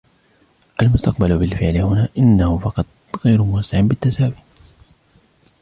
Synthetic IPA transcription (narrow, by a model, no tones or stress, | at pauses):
ʔalmʊst̪ɑq̚balbɪlfɪʕlɪhʊnaːʔɪnːahʊfɑqɑt̪̚ˤ | ɣajɾʊmʊwɑsːɪʕnbɪt̪ːasaːwiːt̪